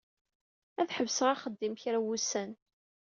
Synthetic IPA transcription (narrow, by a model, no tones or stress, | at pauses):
æθħəvsəʁaχəd̪ːimçɾæwusæn